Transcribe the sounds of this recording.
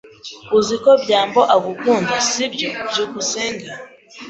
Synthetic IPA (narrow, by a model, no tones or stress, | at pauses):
uzikobjaːmboʔaɡukuːndasibjobjukuseːŋɡa